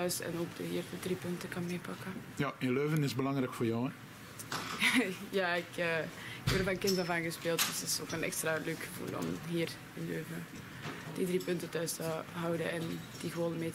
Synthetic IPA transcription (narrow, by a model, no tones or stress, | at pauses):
œɥsɛ̰noːɡdəɦiːrdədripʏntəkɑnmeːpɑkə | jaɪnløːvənɪzbəlɑŋɾɛjkfʊːrjɔw | jaːɪkəːkɛərvɑkɪndəvɑnɣəspeːlˠtd̥əsɪso̰ːkənɛ̰kstraløːkxəvṵːlɔ̰mɦiːr | ɪnløːvə | d̥idriːpʏntətœɥstəɦɑwdəɛn | d̥iɣəʋoːləmeː